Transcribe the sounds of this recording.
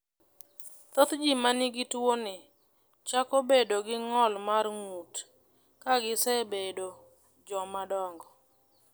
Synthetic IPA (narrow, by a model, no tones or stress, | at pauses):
t̪ot̪d͡ʒimanɪɡɪtwonɪ | t͡ʃakobedoɡɪŋɔlmarŋut | kaɡɪsɛbedo | d͡ʒɔmadɔŋɡɔ